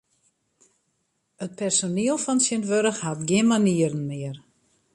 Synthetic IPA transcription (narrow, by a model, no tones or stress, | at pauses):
ət̚pɛrsoniəlˠfɔnsənʋøɾəxhatɡjɪnmaniəɾən̩mɪər